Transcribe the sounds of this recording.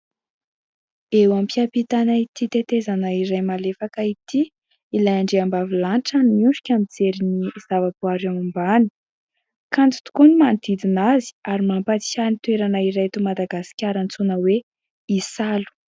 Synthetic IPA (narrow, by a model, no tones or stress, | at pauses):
ewampiapit̪anait̪it̪et̪ezanaiɾajmalefakait̪i | ilajaɳɖ͡ʐeambavilanʈ͡ʂanimuɳɖ͡ʐu̥kʲamid͡zeɾiniz̥avapuaɾeamumbani̥ | kant̪u̥t̪u̥kunimand̪id̪inazi̥aɾimampat͡s̪i̥sanit̪weɾanaiɾajt̪umad̪aɡasi̥kʲaɾant͡sunəwe | isalu̥